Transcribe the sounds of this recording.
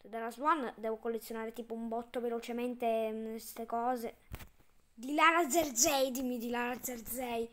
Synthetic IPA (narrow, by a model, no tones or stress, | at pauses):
d̪alazwɔnd̪ɛːvokolːet̪sːjonaːɾet̪iːpoumbɔt̪ːovelot͡ʃemɛnt̪eest̪ekɔːze | d̪ilaɾad̪zeɾd̪zɛjd̪imid̪ilaɾad̪zeɾd̪zɛj